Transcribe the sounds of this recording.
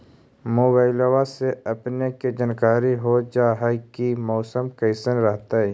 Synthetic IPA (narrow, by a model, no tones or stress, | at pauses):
moːbaːɪlwaseɐpneked͡ʒənkaːɾiɦod͡ʒaːɦkimɔːsəmkəɪsənɾəɦt̪aɦɛ